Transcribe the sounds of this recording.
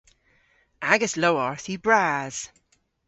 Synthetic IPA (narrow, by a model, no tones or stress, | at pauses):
aɡəsloʊɔɹθibɹaːz̥